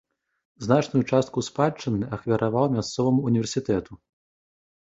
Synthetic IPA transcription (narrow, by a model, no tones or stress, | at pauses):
znat͡ʂnujut͡ʂast̪̚kuspat͡ʂːɨnːɨʔɐxvʲɐɾʔavawmʲast̪sɔvɐmuːnʲiɛrsʲit̪ɛt̪u